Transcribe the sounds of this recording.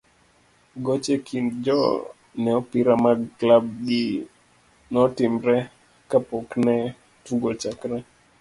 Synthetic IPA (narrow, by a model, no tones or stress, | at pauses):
ɡɔt͡ʃɛkʰind͡ʒɔ | nɛɔpiɾamaklab̚ɡi | nɔtimɾɛ | kapɔknɛ | tuɡɔt͡ʃakɾɛ